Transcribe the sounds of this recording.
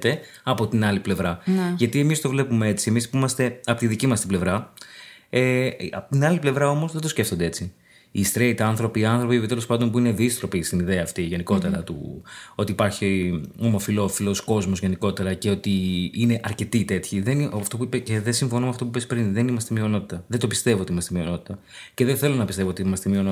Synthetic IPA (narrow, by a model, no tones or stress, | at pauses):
t̪e̞ | ɐpo̞t̪inɐliple̞vɾɐnʝɐt̪ie̞mist̪o̞vle̞pumee̞t͡sie̞mispimɐst̪e̞ɐpo̞t̪iðicimɐst̪ible̞vɾɐ | eɐpot̪inɐliple̞vɾɐo̞mo̞zðed̪o̞sce̞ft̪ond̪e̞e̞t͡si | ist̪ɾeit̪ɐnθɾo̞piːɐnθɾo̞pipt̪elospɐnd̪o̞mpuineðist̪ɾo̞pist̪iniðeɐːft̪iʝe̞niko̞t̪e̞ɾɐt̪ṵo̞t̪iːpɐɾçio̞mo̞filo̞filo̞sko̞zmo̞zʝe̞niko̞t̪e̞ɾɐce̞o̞t̪iine̞ʔɐɾce̞t̪it̪e̞t̪çiðenift̪o̞puipeceðesiɱfo̞nmeɐft̪o̞p̬upespɾinðe̞nimɐst̪emio̞no̞t̪it̪ɐðed̪opist̪e̞vot̪imɐst̪mio̞no̞t̪i̥t̪ɐ | ce̞ðeθe̞lo̞nɐpist̪eoot̪iimɐst̪emio̞no